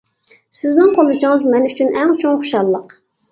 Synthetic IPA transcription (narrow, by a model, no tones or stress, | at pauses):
sɪznɪŋqʰolˠɨʃəŋɨzmɛnyt͡ʃʰynʔɛŋt͡ʃʰoŋχuʃɑlˠːəq